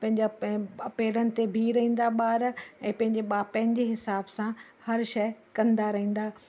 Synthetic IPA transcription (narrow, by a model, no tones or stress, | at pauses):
pɐ̃ɦɪ̃ɲd͡ʑaɐpeːɾənɪ̆t̪ebʱiɾɐɦĩːn̆d̪aɓaːɾɛ̃ːpɐ̃ɦɪ̃ɲd͡ʑeɓaːpə̃ɦɪ̃n̆d͡ʑeɦɪsaːbsã | hɐɾʃɐjkɐ̃nd̪aɾɐɦĩːn̆d̪aː